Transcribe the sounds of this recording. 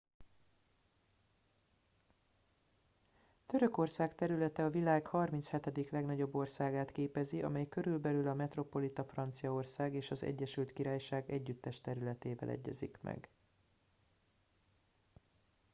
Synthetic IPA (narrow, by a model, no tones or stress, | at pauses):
t̪ø̞ɾø̞ko̞rsaːkt̪ɛɾylɛt̪ɛɒvilaːɡhɒrminshɛt̪ɛd̪iklɛɡnɒɟo̞bːo̞rsaːɡaːt̪keːpɛziʔɒ̰mɛjkø̞ɾylbɛlylɒmɛt̪ro̞po̞lit̪ɒfrɒnt̪sijɒo̞rsaːɡeːʃɒzɛ̰ɟːɛʃylt̪kiɾaːjʃaːɡɛɟːyt̪ːɛʃt̪ɛɾylɛt̪eːvɛ̰lʔɛ̰ɟːɛ̰zḭkmʔɛ̰ɡ